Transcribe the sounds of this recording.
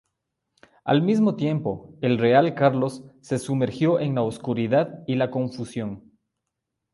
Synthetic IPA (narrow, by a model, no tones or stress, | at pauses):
a̰lmizmo̞t̪je̞mpo̞elre̞alkaɾlo̞sːe̞sume̞ɾxjo̞ʔeŋlaoskuɾiðaðilako̞ɱfusjo̞ŋ